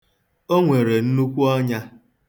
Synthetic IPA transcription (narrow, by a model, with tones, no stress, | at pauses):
o˦ŋʷe˨ɾe˨n̩˦nu˦kʷu˦ɔ˦ɲa˦